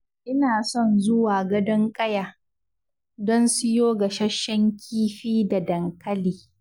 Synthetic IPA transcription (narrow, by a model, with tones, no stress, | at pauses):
ʔɪ˦naː˨sɔ˦˨nzʊ˦waː˨ɡɐ˦dɐ˦ŋkʼɐ˦jaː˨ | dɔ˦nsʊ˦joː˦ɡa˨ʃɐ˦ʃːɛ˦ŋkʲʰiː˦ɸiː˦da˨dɐ˨ŋkʰɐ˦liː˨